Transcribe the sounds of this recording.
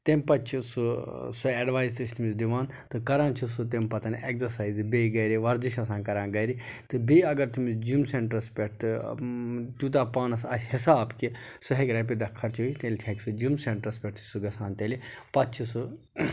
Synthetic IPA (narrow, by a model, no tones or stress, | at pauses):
t̪empɐt͡ʃʰisusueːɖʋaːjzt̪ɨsʲt̪umizd̪iʋaːn | t̪ɨkɐɾãːnt͡ʃʰusut̪empɐt̪ɐnekzɐɾsaːjzbeɡɐɾiʋɐɾd͡ʒiʃɐs̬ãːnkɐɾãːnɡɐjɾit̪ɨbiɐɡɐɾt̪imisd͡ʒumseɳʈɾɐspʲeʈ̚t̪ɨ | t̪ut̪̬aːpaːnɐsɐsʲhisaːbkisuɦekʲɾɐp̬ʲid̪ɐkʰːɐɾt͡ʃʰit̪elʲt̪ʰekʲsud͡ʒumseɳʈɾɐspʲeʈt̪ʰsuɡɐsaːnt̪elipɐtt͡ʃʰisu